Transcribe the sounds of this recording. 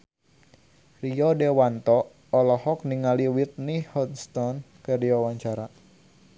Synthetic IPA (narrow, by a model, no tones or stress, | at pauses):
riɔdewant̪ɔː | lɔhɔk̚niŋaliwit̪̚nihɔnst̪ɔn | kəɾiawaɲt͡ʃaɾa